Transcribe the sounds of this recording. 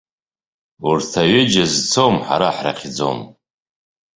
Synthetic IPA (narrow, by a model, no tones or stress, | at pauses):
urtʰaɥɪd͡ʒazt͡sʰomħa̰ɾaħra̰χʲʰd͡zo̰m